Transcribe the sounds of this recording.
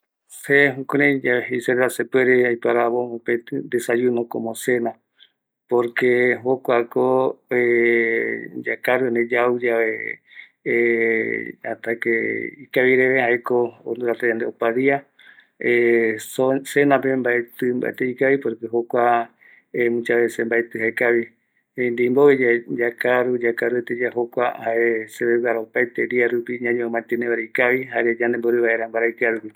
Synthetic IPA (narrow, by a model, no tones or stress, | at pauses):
seɦũkoɾẽd͡ʒaβeɦejseɾeɾasepweɾeajpaɾaβoopet̪ɨnd̪esajunõko̰mõsena | poɾkeɦokʷakoe | d͡ʒa̰kaɾuened͡ʒaud͡ʒaβe | a̰t̪akeikaβiɾeβehaekoːnd̪uɾat̪ajand̪eopaðia | esosenãpembaet̪ɨmba̰et̪eikaβipoɾekeɦokʷa | emũt͡ʃaβesembaet̪ɨɦaekaβi | end̪imboβed͡ʒad͡ʒakaɾud͡ʒakaɾuet̪ed͡ʒaɦokʷahaʔeseβeβaɾaopajt̪eɾiaɾupiɲãɲoõmãnt̪eneβaɾeikaβihaɾed͡ʒand̪emboɾeβaeɾambaɾaikɨaɾupi